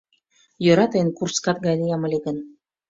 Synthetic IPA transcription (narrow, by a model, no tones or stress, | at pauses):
jŏɾɑt̪enkurskɑt̪ɡɑd̪ʲijɑmɤ̆lʲiɡə̆n